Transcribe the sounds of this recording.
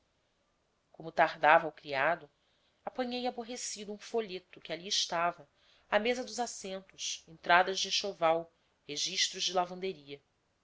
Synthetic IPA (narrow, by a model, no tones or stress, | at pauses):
kõmʊt̪ahd̪avɐwkɾiad̪ʊ | apɐ̃ɲejaboɦesid̪uũfoʎet̪ʊkɪaliɪʃt̪avɐ | amezɐd̪ʊzasẽnt̪ʊsẽnt̪ɾad̪ɐzd͡ʒɪʃovaw | heʒiʃt̪ɾʊzd͡ʒɪlavɐ̃nd̪eɾiɐ